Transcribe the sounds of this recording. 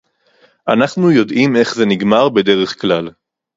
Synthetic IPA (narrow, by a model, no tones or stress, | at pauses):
ʔanaχnujo̞dʔime̞χze̞niɡmaʁbe̞de̞ʁe̞χklal